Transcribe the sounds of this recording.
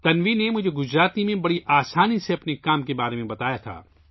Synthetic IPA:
t̪ɐnʋinemʊd͡ʒʱeɡʊd͡ʒɾaːt̪imẽbɐɽiʔaːsaːniseɐpnekaːmkebaːɾemẽbɐt̪aːjat̪ʰa̰ː

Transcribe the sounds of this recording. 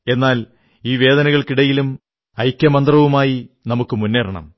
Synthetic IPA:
e̞nːaːl | iːʋe̞ːd̪ɐnɐɣɐɭkiɽɐjilum | ɐjkʲːjɐmɐnd̪rɐʋumaːji | nɐmukːɨmunːeːrɐɳɐ̰m

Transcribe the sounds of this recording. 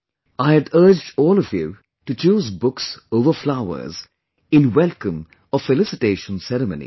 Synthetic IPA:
aɪɨdɜː˞d͡ʒdɔːlɔvjṵ | ʈut͡ʃuːzbʊksoʊvəflaʊə̰˞z | ɪ̃nwɛlˠkə̃m | ɔfɛlɪsɪʈeːʃə̃nsɛɾəmõ̰nḭ

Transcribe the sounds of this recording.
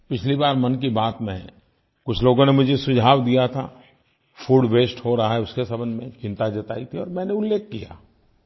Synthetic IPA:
pɪt͡ʃʰlibaːɾmɐnk̬ibaːt̪mḛ̃ | kʊt͡ʃʰloːɡõnemʊd͡ʒʱesʊd͡ʒʱaːʋd̪ijat̪ʰa̰ | fʰuːɖʋeːsʈhoɾɐɦaɦɛʊskesɐbənmẽt͡ʃɪ̃nt̪ad͡ʒɐt̪a̰ːit̪ʰiɔːɾmɛ̃ːneʊlːeːk̚ːija̰ː

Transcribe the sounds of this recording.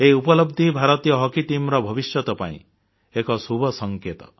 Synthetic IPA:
eiupɔlɔbd̪ʱibʱaɾɔt̪ijɔɦɔkiʈimɾɔbʱɔbisjɔt̪ɔpa̰ḭ̃ | ekɔsubʱɔsɔŋket̪ɔ̥

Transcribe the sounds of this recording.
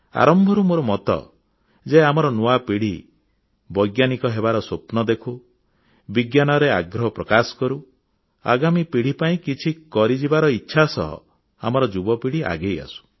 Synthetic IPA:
a̰ɾɔmbʱɔɾumoɾɔmɔt̪ɔ̰ | d͡ʒeamɔɾɔnoapiɽ̤i | bɔjɡjanikɔɦebaɾɔsopnɔd̪ekʰu | biɡjanɔɾeaɡɾɔɦɔpɾɔkasɔ̥kɔɾu | a̰ɡamipiɽ̤ipaĩkit͡ʃʰikɔɾid͡ʒibaɾɔitːʃʰasɔ̰ɦɔ̰ | a̰mɔɾɔd͡ʒubɔpiɽ̤iʔa̰ɡeja̰su̥

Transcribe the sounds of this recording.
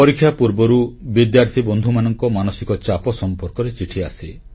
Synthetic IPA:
pɔɾikʰːjapuɾbɔɾubid̪jaɾt̪ʰibɔnd̪ʱumanɔŋkɔmanɔsikɔt͡ʃapɔsɔmpɔɾkɔɾet͡ʃiʈʰia̰si

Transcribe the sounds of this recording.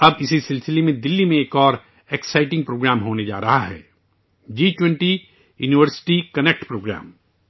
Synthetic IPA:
ɐbɪsisɪlsɪlemẽd̪ɪlːimẽeːkɔːɾ | eksaːɪʈɪ̃ŋɡ̚pɾoːɡɾaːmɦoːned͡ʒa̰ːɾɐɦaɦɛ̰ː | d͡ʒiːt͡ʃwɛ̃ɳʈi | jṵːniʋəɾsɪ̥ʈikɐnek̚ʈpɾoːɡɾa̰ːm

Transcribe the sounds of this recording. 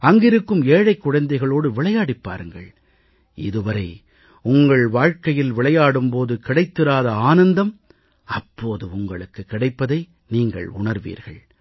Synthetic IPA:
ɐŋɡɪɾɯkːɯmeːɻɐɪkːʊɻɐnd̪ɐɪɣɐɭoːɽɯʋɪɭɐjaːɽɪpːa̰ːɾɯŋɡɐ̰ɭ | ɪ̰ðɯʋɐɾɐɪ | ʊŋɡɐɭʋaːɻkɐjɪlʋɪɭɐjaːɽɯmpoːðɯkɪɽɐɪt̪ːɯɾaːðɐaːnɐnd̪ɐm | ɐpːoːðɯʊŋɡɐɭɯkːɯkːɪɽɐɪpːɐðɐɪ | niːŋɡɐ̰ɭʊ̰ɳɐɾʋḭːɾɣɐ̰ɭ

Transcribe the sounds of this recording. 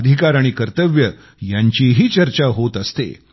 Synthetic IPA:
d̪ʱikaɾaɽ̃ikəɾt̪əʋjə | jaɲt͡ɕiɦiːt͡ɕəɾt͡ɕaɦot̪əst̪ḛ

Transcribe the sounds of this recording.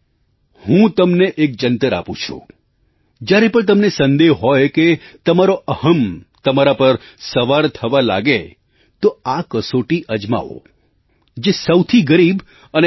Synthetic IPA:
hũt̪əmneʔek̚d͡ʒənt̪əɾa̰pṵ̃t͡ʃʰṵ̃ | d͡ʒjaɾepəɳt̪̬əmnesənd̪eɦɦɔjket̪əmaɾoʔəhəmt̪əmaɾapəɾsəʋaɾt̪ʰəʋala̰ɡe | t̪oakəsoʈiʔəd͡ʒma̰ʋo̰ | d͡ʒesəwt̪ʰiɡəɾib | əne

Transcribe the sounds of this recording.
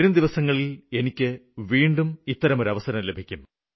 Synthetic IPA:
ɾumd̪iʋɐsɐŋːɐɭile̞nikʲːɨʋiːɳɖumit̪ːɐɾɐmo̞ɾɐʋɐsɐɾɐmlebʱikʲːum

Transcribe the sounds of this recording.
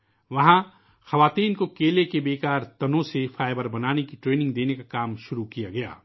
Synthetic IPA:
ʋɐɦã | xɐʋaːt̪iːnkokeːlekebeːkaːɾt̪ɐnõsefʰaːɪbəɾbɐnaːnekiʈɾeːnɪ̃ŋɡd̪eːnekakaːmʃʊɾukijaɡɐja̰ː

